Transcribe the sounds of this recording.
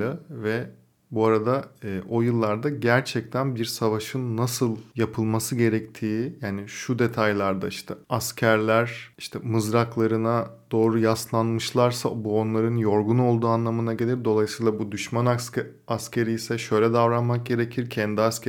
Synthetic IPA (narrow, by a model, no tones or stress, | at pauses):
avɛ | buaɾad̪aɯːʔo̞jɯlˠːaɾd̪aɟæɾt͡ʃʰɛc̚t̪ʰænbiɾsavaʃɯnːasɯlˠjapʰɯlˠmasɯɟe̞ɾɛct̪ʰiːjaːniʃud̪e̞t̪ʰajlʲˠaɾd̪aiʃt̪ʰɛascʰæɾlʲæɾ̥iʃt̪ʰɛmɯzɾaklˠaɾɯnad̪̥o̞ːɾujaslˠanmɯʃlˠaɾsa̰buo̞nlˠaɾɯnjo̞ɾɡuno̞lˠd̪uːanlˠamɯnaɟe̞lʲiɾd̪o̞lˠajisiːlˠabud̪yʃmana | ascʲʰe̞ɾijsɛʃø̞jlʲɛd̪avɾanmak̚ɟe̞ɾe̞cʰiɾcʰɛnd̪iasc